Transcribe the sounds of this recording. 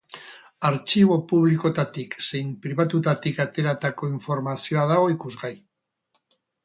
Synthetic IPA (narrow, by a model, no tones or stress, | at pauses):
aɾt͡ʃiβ̞o̞puβ̞liko̞t̪at̪ikse̞jmpɾiβat̪ut̪at̪ikat̪e̞ɾat̪ako̞iɱfo̞ɾmasio̞aðaɣo̞ikuzɣaj